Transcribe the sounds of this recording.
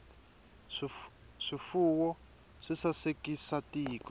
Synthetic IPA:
ʂifuwɔ | ʂisasekisatʼiːk

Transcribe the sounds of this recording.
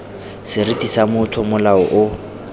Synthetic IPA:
sɪritʼisamʊtʰɔmʊlaɔʔʊ

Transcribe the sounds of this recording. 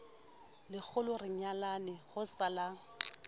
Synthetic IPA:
lɪk͡xʰʊlʊrɪɲalanɪhʊsala

